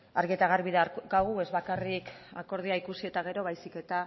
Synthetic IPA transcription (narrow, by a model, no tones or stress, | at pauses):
aɾɣiet̪aɣ̞aɾβiðakaɣue̞zβakarika̰ko̞ɾð̞iaikusie̞t̪aɣ̞e̞ɾo̞β̞ajsike̞t̪a